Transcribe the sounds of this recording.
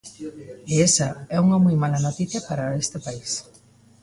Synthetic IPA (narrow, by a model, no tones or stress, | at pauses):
eesɐɛuŋɐmɔjmalɐnot̪iθjɐpaɾɐest̪ɪpais